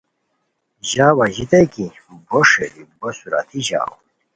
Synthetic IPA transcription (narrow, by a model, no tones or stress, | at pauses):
ʑaːwɐʑit̪eki | boʂeɾibosuɾa̰t̪ʰiʑa̰w